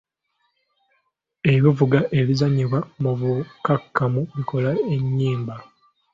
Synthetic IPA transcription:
e̞βivuɡaʔe̞lizaɲiβwamuvukakːamuβiko̞lae̞ɲːiːmba

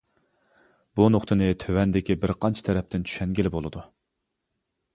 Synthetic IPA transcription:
b̥unoχt̪ʰɨnɨt̪ʰøwɛnd̪ɪkʲibɪɾqʰɑnt͡ʃʰi̥t̪ʰɛɾɛp̚t̪ɪnt͡ʃʰy̥ʃɛŋɡʲelɪbolˠɨd̪u

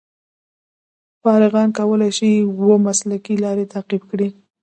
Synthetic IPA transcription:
fɑɾɪɣɑnkawəlajʃiwəmaslakilɑɾet̪aqibkɽi

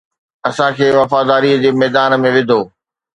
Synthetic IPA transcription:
ɐsãkʰeːʋɐfaːd̪aːɾiːəd͡ʑeːmɛːd̪aːnə̆mẽʋɪd̪ʱoː

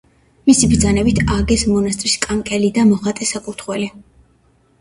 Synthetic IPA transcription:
misibɾd̪zanɛbit̪ʰaɡɛsmɔnast̪ʼɾiskʼaŋkʼɛlid̪amɔχat̪ʼɛsakʼut̪ʰχwɛli

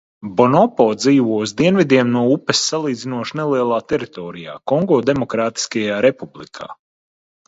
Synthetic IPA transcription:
bɔnɔpɔːd̪ziːʋuɔuzd̪iɛnvʲid̪ʲiɛmnuɔupɛsːalˠiːd̪zinuɔʃnɛlˠiɛlˠaːt̪ɛɾit̪ɔːɾija̰ːkɔŋɡoːd̪emɔkɾaːt̪i̥skajaːɾepublˠikʰa̰ː

